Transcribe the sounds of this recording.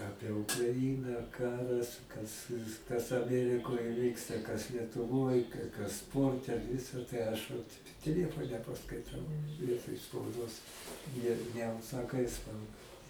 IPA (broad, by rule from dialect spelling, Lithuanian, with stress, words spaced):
ˈɑːpʲiɛ ʊkrɐˈɪnɐ ˈkɑːrɐs kɐs kɐs ɐˈmʲæːrʲɪkoːj ˈʋʲiːkstɐ kɐs lʲiɛtʊˈʋoːj kɐ kɐs ˈspoːrʲtʲɛ ˈʋʲɪsɐ tɐɪ ˈɐʃ ʋɐt tʲɛˈlʲiɛfoːnʲɛ pɐskɐɪˈtɐʊ ˈʋʲiɛtoːj spɐʊˈdoːs nʲɛ nʲɛʊʃsɐˈkɐɪ ˈspɐʊdɐ